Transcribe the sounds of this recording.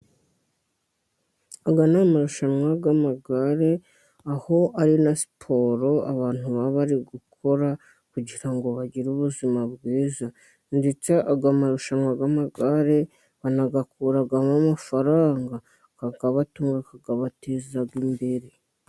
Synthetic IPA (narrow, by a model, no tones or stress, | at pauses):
aɡanamaɾuʃamwaɡamaɡaɾe̞ | aho̞ʔaɾinasi̥pʰo̞ːɾo̞a̰βaːn̥huβaβaɾiɡukʰo̞ɾa | kuɟiɾaŋɡo̞βaɟiɾuβuzimabɡiːza | ndet͡saʔaɡamaɾuʃamwaɡamaɡaɾe̞ | βanaɡakuːɾaɡamamafaɾaːŋɡa | kaɡaβatuːŋɡakaɡaβatezaɡimbeɾe